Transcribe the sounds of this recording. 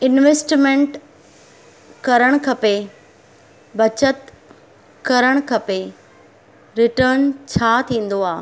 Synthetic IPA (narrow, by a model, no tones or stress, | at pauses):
ɪnʋesʈmẽɳʈ | kɐɾəɽ̃kʰɐpe | bɐt͡ɕət̪ | kɐɾəɽ̃kʰɐpe | ɾɪʈəːnt͡ɕʰaːt̪ʰĩːn̆d̪oaː